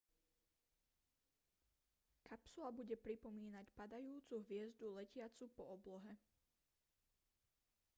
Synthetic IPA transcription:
kapsulabuɟɛpɾipɔmiːnacpad̪ajuːt͡suɦʋɪɛzd̪ulɛcɪat͡supɔɔblɔɦɛ

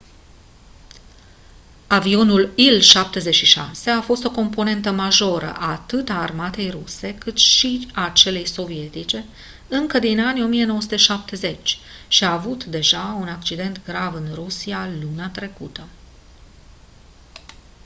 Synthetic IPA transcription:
avio̞nulilʃap̚t̪e̞ze̞ʃiʃa̰se̞afo̞st̪o̞ko̞mpo̞ne̞nt̪əmaʒo̞ɾə̰ʔaːt̪ɨt̪aːrmat̪e̞jruse̞kɨt̪ʃiat͡ʃe̞le̞jso̞vie̞t̪it͡ʃe̞ | ɨŋkəd̪inanʲjo̞mije̞noəs̬ut̪e̞ʃap̚t̪e̞ze̞t͡ʃʲʃiaːvut̪d̪e̞ʒaunak̚t͡ʃid̪e̞nt̪ɡɾavɨnrusialuneat̪ɾe̞kut̪ə

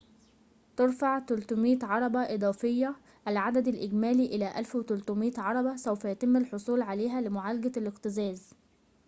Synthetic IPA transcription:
t̪eɾˤfaʕt̪ʊlt̪omiːt̪ʕɑɾˤɑbɑʔed̪ˤɑːfejːæ | ʔælʕad̪æd̪ælʔeɡmæːliʔɪlæʔælfwet̪ʊlt̪omiːt̪ʕɑɾˤɑbɑsæwfæjæt̪ɪmːælħosˤuːlʕaleːɦælɪmʊʕalæɡælqt̪ɪzæːz

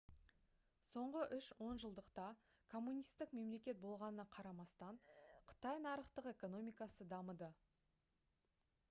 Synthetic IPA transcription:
so̞ɴʁəʔʏʃwo̞nʒəlˠd̪əqt̪ɑ | kʰo̞mːunijst̪ːɪkme̞mle̞kʲe̞t̪̚bo̞lˠʁɑnənɑqʰɑɾɑmɑst̪ɑɴqʰə̥t̪ɑjnɑɾəχt̪əqe̞ko̞no̞mijkɑsəd̪ɑməd̪ə

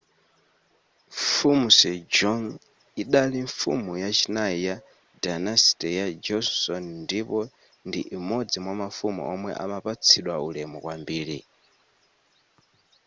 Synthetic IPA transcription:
fumusɛd͡ʒɔŋ | iɗaliɱfṵmujat͡ʃʰinaija | danastɛjad͡ʒɔssɔnndipɔ | ndiʔːmɔd͡zimwamafumṵʔɔmwɛ̰ʔa̰mapat͡sʰiɗwaulɛmɔkwambiːɺi

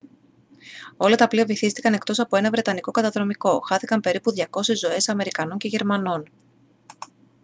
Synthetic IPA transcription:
o̞lɐt̪ɐpliɐvoθist̪i̥kɐne̞kt̪o̞sɐpo̞e̞nɐvɾe̞t̪ɐniko̞kɐt̪ɐðɾo̞miko̞xɐθikɐmpe̞ɾipuðʝɐko̞sezːo̞e̞sɐme̞ɾikɐno̞ɲceʝe̞ɾmɐno̞n

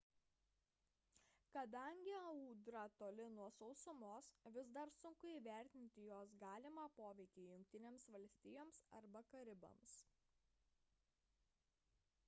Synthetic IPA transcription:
kɐd̪ɐˑŋʲɡʲɪɐuːd̪ɾɐt̪oːlʲɪnuɔsɔʊsʊmoːsʋʲɪzd̪ɐɾsʊŋkʊiːʋʲæˑɾʲt̪ʲɪnʲt̪ʲɪjoːs̬ɡɑːlʲɪmɑːpoːʋʲɛɪkʲɛɪjʊŋʲk̚ʲt̪ʲɪnʲeːmsʋɐlʲsʲt̪ʲɪjoːmsɐ̰ɾbɐkɐɾʲɪbɐ̰ms

